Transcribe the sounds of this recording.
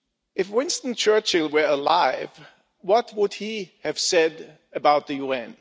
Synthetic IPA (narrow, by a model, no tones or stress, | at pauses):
ɨfwɪ̃nstə̃n̩t͡ʃʰɜ˞t͡ʃɪlˠwə˞əlaɪv | wʌt̚wəd̚iɨv̥sɛd | ɨbaʊt̪̚ðɨjuɛ̃n